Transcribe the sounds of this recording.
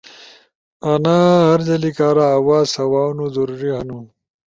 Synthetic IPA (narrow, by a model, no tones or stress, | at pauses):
ɐnaːɦɐɾd͡ʑɐlikaːɾaːwaːsɐwaːwnud̪uɾuɾiɦɐnu